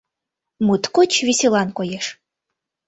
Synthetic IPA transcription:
mut̪kot͡ɕviselˠɑnkojeʃ

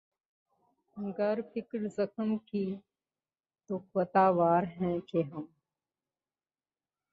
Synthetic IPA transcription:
ɡəɾpɪkɽzəxəmkiː | t̪ʊkʋət̪aːʋaːɾɦɛ̃ːkeɦɐm

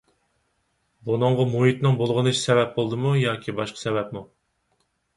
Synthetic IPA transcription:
bunɨɴʁɑmuɦit̪nɨŋbolˠʁənɨʃi̥sɛvɛp̚bolˠd̪ɨmujɑːkʲʰibɑʃqʰɑ̥sɛvɛp̚mu

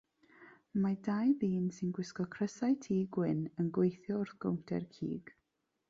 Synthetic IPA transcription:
madajðiːnsɪnɡwɪskɔkʰrəsajtʰiːɡwɪnənɡwejθjɔʊrθɡ̥o̰wntʰɛ̰rkʰḭːɡ̥

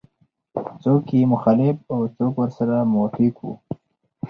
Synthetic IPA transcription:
t͡sokjemʊxalɪfawt͡sokwəɾsaɾamofikwṵ

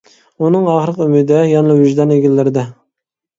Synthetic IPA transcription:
unɨŋɑχəɾəqymɪd̪ɛjɑnlˠɨwyʒd̪ɑneɡʲilːɪɾɪd̪ɛ

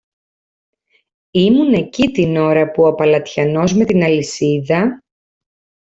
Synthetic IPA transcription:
imune̞cit̪ino̞ɾɐpuopɐlɐt̪çɐno̞zme̞t̪inɐlisiðɐ

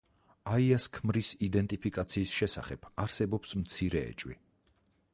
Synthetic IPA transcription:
aiaskʰmɾisid̪ɛnt̪ʼipʰikʼat̪sʰiːsʃɛsa̰χɛb̥aɾsɛbɔpsmt̪sʰiɾɛɛ̰t͡ʃʼwḭ

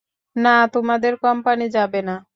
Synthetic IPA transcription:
nat̪umad̪eɾkɔmpanid͡ʒabɛna

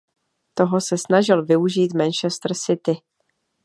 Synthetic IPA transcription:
t̪o̞ɦosɛsnaʒɪlvɪuʒiːt̪mɛnt͡ʃɛst̪r̩sɪt̪ɪ

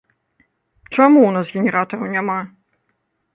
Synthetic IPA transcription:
t͡ʂamuwnasɣʲɛnʲɛɾat̪ɐɾɐwnʲama

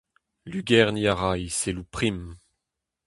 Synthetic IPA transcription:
lyɡɛʁniaʁajselupχim

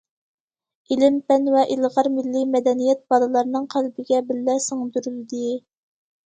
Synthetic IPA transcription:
ilɪmpɛnwɛʔilˠʁɑɾmɪlːɪmɛd̪ɛnijɛt̪̚bɑlˠɨlˠɑɾnɨŋqʰælbɪɡʲɛbɪlːɛsɨŋd̪uɾyld̪ɪ

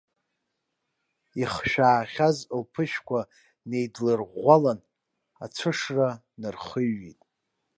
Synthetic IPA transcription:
iχʃᶣaːχʲazlpʰɨʃkʷa | ne̞jdlɨrʁʷalan | a̰t͡sʷʰɨʂra | nɨrχəɥːitʼ

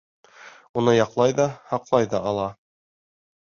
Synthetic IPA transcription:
unɤjɑqlˠɑjðɑhɑqlˠɑjðɑʔɑlˠɑ

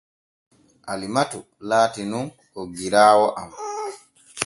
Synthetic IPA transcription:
ʔalimatu | laːtinun | ɔɡiɾaːwɔʔam

